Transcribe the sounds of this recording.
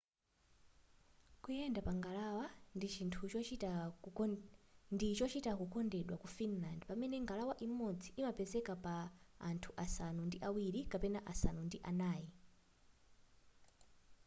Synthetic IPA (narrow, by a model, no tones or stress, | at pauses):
kujɛndapaŋɡalawandit͡ʃintʰu | ndit͡ʃɔt͡ʃitakukɔndɛɗwakufinlandɛpamɛnɛŋɡalawaʔimɔd͡zʰi̥imapɛzɛkapaːntʰuʔasanundiʔawiɾikapɛnaʔasanundiʔanaːji